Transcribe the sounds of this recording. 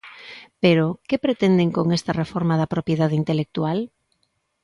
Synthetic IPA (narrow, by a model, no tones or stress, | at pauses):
peɾokepɾet̪end̪eŋkoŋest̪ɐrefoɾmaðɐpɾopjeðaðint̪elek̚t̪ual